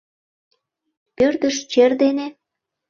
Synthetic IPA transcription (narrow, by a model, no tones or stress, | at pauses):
pørd̪ə̆ʃt͡ɕerd̪ene